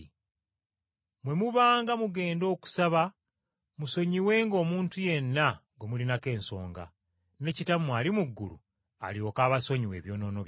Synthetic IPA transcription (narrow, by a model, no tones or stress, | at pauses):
mwe̞muβaːŋɡamuɡe̞ːndo̞ːku̥saβa | muso̞ɲiwe̞ːŋɡo̞ːmuːntuje̞nːaŋɡomulinake̞ːnso̞̰ːŋɡa̰ | ne̞citamwaːlimuɡːṵlṵ | a̰lio̞kaːβaso̞ɲiwe̞̰ːβjo̞ːno̞ːnoβj